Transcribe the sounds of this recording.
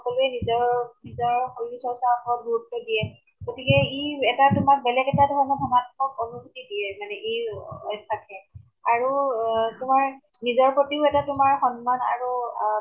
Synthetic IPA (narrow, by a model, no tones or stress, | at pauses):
xɔkɔlʊɛnizɔɹnizɔɹxojusɔsaɔpɔɹɔt̚bʱuɹutːɔdijɛ | ɡ̥otikɛiɛtatʊmak̚bɛlɛɡɛtadʱɔɹɔnɔdʱɔmatkɔkɔnuɡutidiɛmanɛʔejɔjsakʰɛ | aɹutʊmaɹ | nizɔɹpɹotiʊɛtatʊmaɹxɔnmana̰ɹu